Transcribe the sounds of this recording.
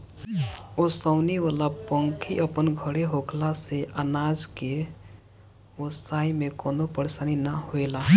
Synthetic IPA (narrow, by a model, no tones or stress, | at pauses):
osəʊniʋalapəŋkʰiʔəpənɡʱəɽeɦokʰlaseʔənad͡ʒke | osaimẽkɔnopəɾesaninaɦoela